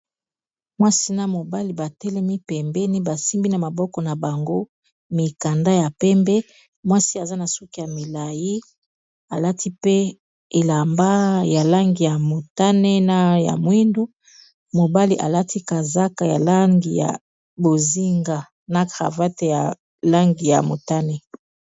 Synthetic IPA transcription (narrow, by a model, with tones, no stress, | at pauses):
mwa˦si˦na˦mo˨ba˦li˨ba˨tɛ˦lɛ˦mi˦pɛ˨mbɛ˦ni˦ba˨si˦mbi˦na˨ma˨bɔ˦kɔ˨na˨ba˨ŋɡo˦ | mi˨ka˨nda˦ja˨pɛ˦mbɛ˦ | mwa˦si˦a˨za˦na˨su˦ki˦ja˨mi˨la˨ji˦ | a˨la˦tʰi˦pe˦ | e˨la˨mba˦ja˨la˦ŋɡi˨ja˨mo˨ta˦nɛ˦na˦ja̰˨mwi˦ndu˦ | mo˨ba˦li˨ʔa˨la˦ti˦ka˨za˦ka˨ja̰˨la˦ŋɡi˨ja̰˨ | bo˨zi˦ŋɡa˨ | na˨ɡʁa̰˨va˦te˨ja˨ | la˦ŋɡi˨ja̰˨mo̰˨ta˦nɛ˦